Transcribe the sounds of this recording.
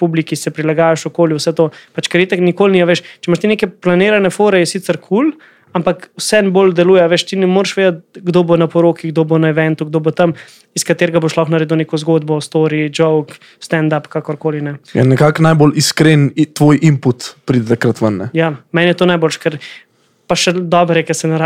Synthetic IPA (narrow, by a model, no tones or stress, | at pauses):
publikisɛpɾilaɡaːjaʃukoːljiwsɛt̪oːpat͡ʃkɛɾjet̪ɐknikoːlniaʋeʃt͡ʃɛmaʃt̪ineːkɛplaneːɾanɛfoːɾɛjɛsit̪sɛɾkʰul | ampakwsɛnboːld̪ɛluːjɛaʋeːʃt̪inɛmoːɾʃʋeːd̪ɐt̪̚ɡd̪obonapɔɾoːkiɡd̪oːbonaɛʋɛnt̪uɡ̚d̪obot̪ɐm | iskat̪eːɾɡaboʃlɔxnaɾeːd̪wnekɔzɡoːd̪bɔst̪oːɾid͡ʒowk | st̪ɛnd̪apkakɔɾkoːlinɛjɛ̰nɛkaknajboliskɾent̪ːʋoːjʔimput̪pɾid̪ɛt̪akɾat̪ʋənːɛ̰jaːmɛnjɛt̪oːnajboːlʃɛ̥kɛɾ | paʃɛd̪ɔːbɾjɛkɛsɛnaɾa